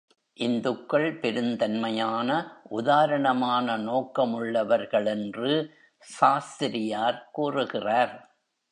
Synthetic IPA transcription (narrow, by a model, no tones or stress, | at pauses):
ʔɪnd̪ɯkːɐɭpɛɾɯnd̪ɐnmɐjaːnɐʔʊðaːɾɐɳɐmaːnɐnoːkɐmʊɭːɐʋɐɾɣɐɭɛndrɯ | saːst̪ɪɾɪjaːɾkuːrɯɣɪraːɾ